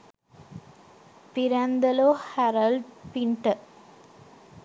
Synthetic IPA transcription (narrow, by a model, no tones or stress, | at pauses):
piɾand̪ɐloːhaɾɐlɖpiɳʈə